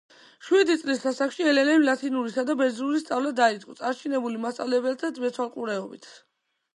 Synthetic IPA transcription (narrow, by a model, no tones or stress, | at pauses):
ʃwid̪it̪sʼlisasaχʃiɛlɛlɛlat̪ʰinuɾisad̪abɛzɾuɾist̪sʼavlad̪aid̪sʼɔ̰t̪ʼaɾt͡ʃʰinɛbulimast̪sʼa̰vlɛbɛlt̪ʰamɛt̪sʰwalˠqʼuɾɛɔbit̪ʰ